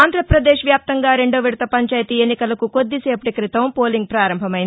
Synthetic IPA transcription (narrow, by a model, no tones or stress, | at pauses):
aːnd̪ʱɾɐpɾɐd̪eːʃʋjaːp̚t̪ɐŋɡaːɾe̞ɳɖoːʋiɽut̪ɐpɐɲt͡ʃaːjt̪ienːikɐlɐkuko̞d̪ːiseːpɐʈikɾit̪ɐmpoːliŋɡ̚pɾaːɾɐmbʱɐmɐjin